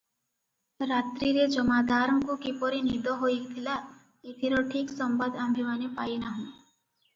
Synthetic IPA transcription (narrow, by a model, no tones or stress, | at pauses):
ɾat̪ɾiɾed͡ʒəmad̪ʱaɾmkukipɔɾinid̪ɔɦoit̪ʰila | et̪ʰiɾoʈʰiksəmbad̪ʱambʱimanipainaɦũ